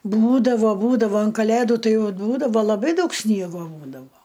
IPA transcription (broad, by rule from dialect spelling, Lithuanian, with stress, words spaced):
ˈbuːdɐʋoː ˈbuːdɐʋoː ɐn kɐˈlʲeːdʊ ˈtɐɪ ˈjɛʊ ˈbuːdɐʋoː lˠɐˈbɐɪ ˈdɐʊk ˈsʲnʲiɛɡoː ˈbuːdɐʋoː